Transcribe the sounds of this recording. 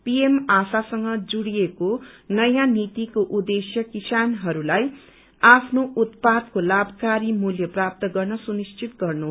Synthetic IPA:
piemasasʌŋɡʌd͡zuɽijekonʌjãnit̪ikoʔud̪esjʌkisanɦʌɾulaj | apʰnoʔut̪̚pad̪kolabʱkaɾimuljʌprap̚t̪ʌɡʌrnʌsunist͡sʰit̪ɡʌrnu

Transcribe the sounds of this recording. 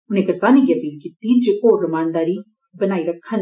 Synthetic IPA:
ʊnẽkɐɾsaːnikiɐpiːlkiːt̪ːid͡ʒekoɾɐmaːnd̪aːɾi | bɐnaːiɾɐkʰːən

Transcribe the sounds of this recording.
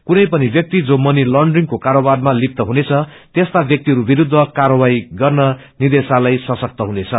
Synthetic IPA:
kunʌjpʌnibjʌk̚t̪id͡zomʌnilʌɳɖriŋkokaɾobad̪malip̚t̪ʌɦunet͡sʰʌ | t̪est̪abjʌk̚t̪iɦʌɾubiɾud̪ʱːʌkarʌbajɡʌrnʌ | nid̪esalajsʌsʌk̚t̪ʌɦunet͡sʰʌ

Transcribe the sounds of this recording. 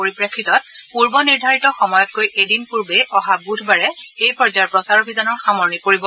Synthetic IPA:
poɹipɹakʰːɹitɔt̚puɹbɔniɹdʱaɹitɔxɔmɔjɔt̚kojʔedinpuɹbeʔɔɦabudʱbaɹɛejpɔɹd͡ʒaɹpɹɔsaɹobʱizɔnɔɹxamɔɹnikoɹibɔ

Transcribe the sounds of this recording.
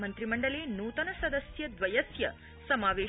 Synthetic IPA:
mɐnt̪ɾimɐɳɖɐleːnuːt̪ɐnɐsɐd̪ɐsjɐd̪ʋɐjɐsjɐ | sɐmaːʋeː

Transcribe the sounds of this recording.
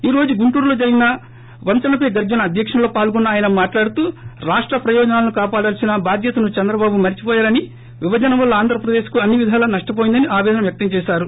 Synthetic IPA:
iːɾo̞ːd͡ʒuɡuɳʈuːɾlo̞ːd͡ʒɐɾiɡinɐ | ʋɐnt̪ɐnɐpeɡɐɾd͡ʒɐnɐːd̪ʱjɐkʂɐnɐlo̞ːpaːlɡɔnːɐaːjɐnɐmaːʈlaːɽut̪uːɾaːʂʈɾɐpɾɐjɔːd͡ʒɐnaːlɐnukaːpaːɽɐːlɐsinɐbʱaːd̪ʱjɐt̪ɐnut͡ʃɛnd̪ɾɐbaːbumɐɾit͡ʃi̥pɔːjaːɾɐni | ʋiʋɐd͡ʒɐnɐmʋɐlːɐaːnd̪ʱɾɐpɾɐd̪e̞ːʃkuɐnːiʋid̪ʱaːlɐnɐʂʈɐp̬oːjind̪ɐniaːʋɛːd̪ɐnɐmʋjɐk̚t̪ɐmt͡ʃɛːʃaːɾu

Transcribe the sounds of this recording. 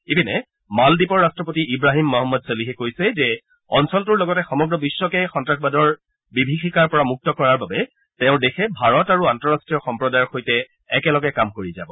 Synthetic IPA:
ebinɛ | maldipɔɹːastɹɔpotiʔibɹaɦimːɔɦɔmːɔdseliɦɛkojsɛzɛ | ɔnsɔltuɹlɔɡɔtɛxɔmɔɡɹɔbisːɔkɛxɔntɹakʰbadɔɹ | bibʱixikaɹpɔɹamuk̚tɔkɔɹaɹbabɛ | tɛʊ̃dexʰɛbʱaɹɔtaɹuantɔɹastɹijɔxɔmpɹɔdajɔɹxojtɛː | kɛlɔɡɛkamkoɹiza̰bɔ

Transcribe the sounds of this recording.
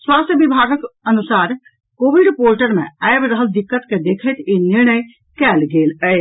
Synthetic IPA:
swaːst̪ʰjəbibʱaːɡəkɐnʊsaːɾ | koːʋiɖpoːlʈəɾmḛ̃ajbɾəɦəld̪ɪkːət̪ked̪eːkʰet̪ʰenɪɾɳ̃əj | kɛːlɡeːləe

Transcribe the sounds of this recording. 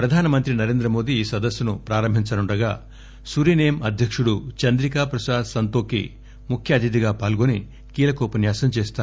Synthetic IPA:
pɾɐd̪ʱaːnɐmɐnt̪ɾinɐɾe̞ːnd̪ɾɐmo̞ːd̪iːsɐd̪ɐsjɐnupɾaːɾɐmbʱiɲt͡ʃɐnuɳɖɐɡaː | suɾiːnejɐmɐd̪ʱjɐkʂuɽut͡ʃɐnd̪ɾikaːpɾɐsaːd̪sɐnt̪oːkḭ | mukʰjɐːd̪id̪iɡaːpaːlɡoni | kiːlɐkɔːpɐnjaːsɐmt͡ʃeːst̪aː

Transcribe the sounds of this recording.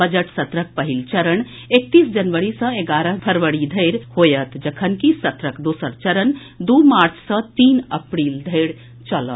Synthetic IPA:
bəd͡ʒəʈsɐt̪ɾək̚pɐɦilt͡ʃɐɾən | ek̚t̪iːsd͡ʒɐnʋəɾisə̃eɡaːɾəɦb̪ʱɐɾʋəɽid̪ʱəɪɾhoːjət̪d͡ʒəkʰənkisɐt̪ɾəkd̪oːsəɾt͡ʃɐɾən | d̪umaːɾt͡ʃʰsə̃t̪iːnɐpɾiːld̪ʱeːɽ | t͡ʃələt̪

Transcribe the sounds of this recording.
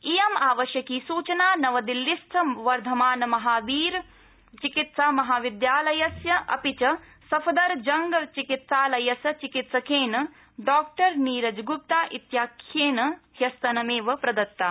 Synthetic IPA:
ijɐmaːʋɐʃjɐkiːsuːt͡ʃɐnaːnɐʋɐd̪ilːist̪ʰɐʋɐɾd̪ʱɐmaːnɐmɐɦaːʋiːɾ | t͡ʃikit̪saːmɐɦaːʋid̪jaːlɐjɐsjɐʔɐ̰pit͡ʃɐ | sɐpʰɐd̪ɐɾd͡ʒɐŋɡɐt͡ʃikit̪saːlɐjɐsɐt͡ʃikit̪sɐkeːnɐ | ɖaːk̚ʈɐɾniːɾɐd͡ʒɡup̚t̪aːʔit̪jaːkʰːjeːnɐhjɐst̪ɐnɐmeːʋɐpɾɐd̪ɐt̪ːaː

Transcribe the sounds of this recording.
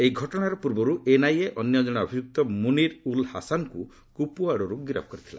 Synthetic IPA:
eiɡʱɔʈɔɽ̃aɾɔpuɾbɔɾuʔenajeʔɔnjɔd͡ʒɔɽ̃ɔːbʱid͡ʒuk̚t̪ɔmuniɾulhasanku | kupuaɽɔɾuɡiɾa̰b̚kɔɾit̪ʰila̰

